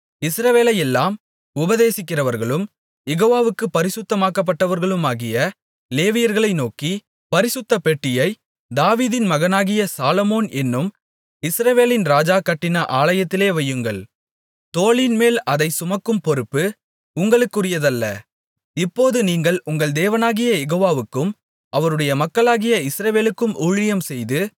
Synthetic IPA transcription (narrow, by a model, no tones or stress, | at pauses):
ɪsɾɐʋeːlɐjɛlːaːm | ʊbɐðeːsɪkːɪrɐʋɐɾɣɐɭɯm | jɛɣoːʋaːʋɯkːɯpːɐɾɪsɯt̪ːɐmaːkːɐp̬ːɐʈːɐʋɐɾɣɐɭɯmaːɣɪjɐ | leːʋɪjɐɾɣɐɭɐɪnoːki | pɐɾɪsɯt̪ːɐpɛʈːɪjɐɪ | d̪aːʋiːðɪnmɐɣɐnaːɣɪjɐsaːlɔmoːnɛnːɯm | ɪsɾɐʋeːlɪnɾaːd͡ʒaːkɐʈːɪnɐʔaːɭɐjɐt̪ːɪleːʋɐjːɯŋɡɐɭ | t̪oːɭɪnmeːlɐðɐɪsʊmɐkːɯmpɔɾɯpːɯ | ʊŋɡɐɭɯkːʊrɪjɐðɐlːɐ | ɪpːoːðɯniːŋɡɐɭʊŋɡɐɭd̪eːʋɐnaːɣɪjɐjɛɣoːʋaːʋɯkːɯm | ʔɐʋɐɾɯɽɐjɐmɐkːɐɭaːɣɪjɐɪsɾɐʋeːlɯkːɯmʔuːɻɪjɐmsɛjðɯ